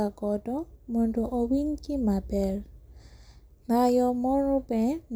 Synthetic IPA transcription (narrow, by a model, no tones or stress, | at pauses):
aɡɔdɔmɔndoʔowiŋkimabɛl | najɔmɔɾɔbɛn